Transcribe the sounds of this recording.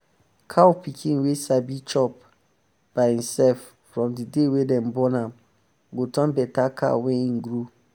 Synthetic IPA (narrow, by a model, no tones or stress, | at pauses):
kʰawpikʰĩnwesabit͡ʃɔp̚ | b̥ahĩmsɛlfːɹɔ̃mdidewedɛ̃mbɔnãm | ɡotʰɔ̃nbɛtakʰa̰wɛ̃inɡɾu